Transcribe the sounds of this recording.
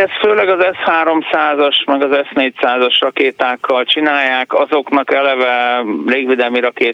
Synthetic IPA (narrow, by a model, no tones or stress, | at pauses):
ɛst̪føːlɛɡɒzɛshaːɾo̞msaːzɒʃmɛɡɒzɛsneːcsaːzɒʃrɒkeːt̪aːkːɒlt͡ʃinaːjːaːkɒzo̞knɒkɛlɛvɛreːɡʋeːd̪ɛlmiɾɒkeː